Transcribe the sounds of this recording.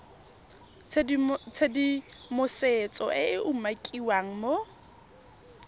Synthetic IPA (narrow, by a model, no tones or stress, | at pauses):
t͡sʰedimʊset͡sʼɔʔɪɪʔumakʼiwaŋ̩mo